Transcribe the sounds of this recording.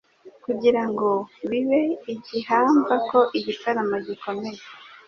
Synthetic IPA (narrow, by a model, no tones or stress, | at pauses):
kuɟiɾaŋɡo̞βiβe̞iɟihaːɱvako̞ʔiɟitaɾamaɟiko̞me̞je